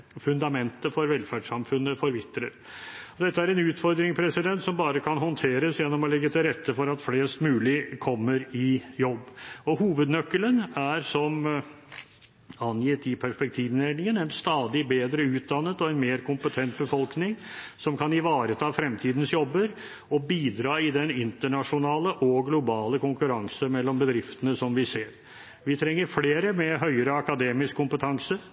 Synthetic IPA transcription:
fʉnd̪ɑmɛnt̪əfɔɾʋɛlfæɖʂɑmfʉnːəfɔɾʋɪt̪ːɾəɾ | ɔd̪ɛt̪ːəæɾɛnʉːt̪fɔɾd̪ɾɪŋspʰɾɛsɪd̪ɛnt̪sɔmbɑːɾəkʰɑnɦɔnt̪ʰeːɾəsjɛnːɔmɔlɛɡːət̪ʰɪlɾɛt̪ːəfɔɾɑt̪fleːst̪mʉːlɪkʰɔmːəɾɪjɔbːɔhuːʋəd̪nœkːələnæɾsɔm | ɑnjɪt̪ɪpʰæʂpɛk̚t̪ʰiːʋneːnɪŋənɛnst̪ɑːd̪ɪbeːd̪ɾəʉːt̪̚d̪ɑnːət̪ɔɛnmeːɾkʰʊmpət̪ʰɛnt̪̚bəfɔlknɪŋsɔmkʰɑnɪʋɑːɾət̪ʰɑːfɾɛmt̪ʰiːd̪n̩sjɔbːəɾ | ɔbiːd̪ɾɑːɪd̪ɛnɪnt̪əɳɑʂʊnɑːləʔɔɡlʊbɑːləkʰʊŋkʉɾɑŋsəmɛlːɔmbəd̪ɾɪft̪ənəsɔmʋɪseːɾ | ʋɪt̪ʰɾɛŋːəɾfleːɾəmɛɦœʏəɾəɑkɑd̪eːmɪskʰːʊmpət̪ʰɑŋsə

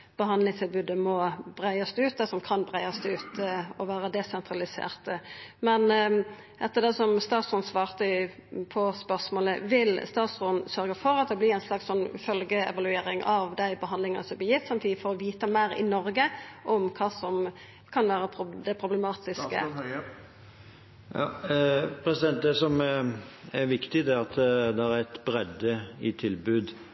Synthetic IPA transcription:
b̥əɦɑnd̪lɪŋst̪ʰɪlbʉːd̪əmɔb̥ɾæɪɑsd̪ʉːt̪̚d̪ɛsɔmkʰɑnbɾæɪɑsd̪ɛʉːt̪ɔʋæːɾəd̪ɛsɛnt̪ɾɑlɪsḛːʁt̪əmɛn | ʔɛt̪ːəd̪ɛsɔmst̪ɑːt̪sɔnsʋɑːʁt̪əpʰɔspœʁsmoːləʋɪlst̪ɑːt̪sʁɔnsœɾɡəfɔɾɑt̪̚d̪ɛblɪːæɪnslɑkssɔnːfœlɡəɛ̰ʋɑlʉeːɾɪŋʔɑʋd̪æɪbəɦɑnd̪lɪŋənəsɔblɪjɪft̪sɑmt̪ʰiːd̪ɪfɔɾɔʋiːt̪əmæɪɾɪ̰nɔɾɡəʔɔmkʰɑːsɔm | kʰɑnʋæːɾəpʰd̪ɛpʰɾʊbləmɑːt̪ɪskə̰ | ɑ | pʰɾɛsɪd̪ɛnt̪̚d̪ɛsɔm | æɾʋɪkt̪ɪd̪ɛɑt̪d̪ɛæɾɛt̪bɾɛd̪əɪt̪ʰɪlbʉːd̪

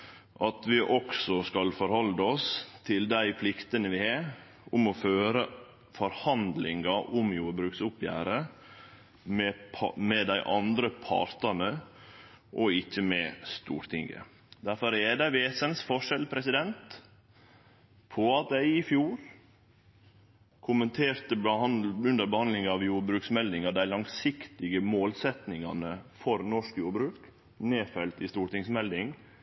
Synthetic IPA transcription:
ʔɑt̪ʋɪʔɔksɔskɑlfɔɾhɔlːəɔst̪ʰɪld̪æɪpʰlɪkt̪ənəʋɪɑː | ʊmɔføːɾə | fɔɾhɑnd̪lɪŋɑʔʊmjuːɾbɾʉːksʊpjæ̰ːɾə | mɛpʰɑmɛd̪æɪʔɑnd̪ɾəpʰɑ̰ɾt̪ɑnə | ʔɔɪçːəmɛst̪ṵːɾt̪ʰɪŋə̰ | d̪æɾfɔɾɛd̪æɪʋeːsənsfɔʂɛlpʰɾɛsɪd̪ɛnt̪ | pʰɔɑt̪̚d̪æɪɪfjuːɾ | kʰʊmənt̪ʰeːɾt̪əbɑʉnd̪əɾbəhɑnd̪lɪŋɑʋjuːɾbɾʉːksmɛld̪ɪŋɑd̪æɪlɑŋsɪkt̪ɪɡəmoːlsɛt̪nɪŋɑnəfɔɾnɔʂkjuːɾbɾʉːk | neːfɛlt̪ɪst̪uːɾʈ̪ɪŋsmɛld̪ɪŋ

